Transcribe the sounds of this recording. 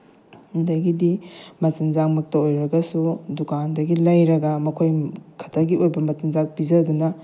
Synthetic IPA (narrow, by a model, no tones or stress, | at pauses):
ndɐjɡidimɐt͡ʃinzaŋmɐk̚tɐojɾɐɡɐsudukandɐɡilɐjɾɐɡɐmɐkʰojkʰɐ̥tʰɐɡiʔojbɐmɐt͡ʃinzak̚pizɐdunɐ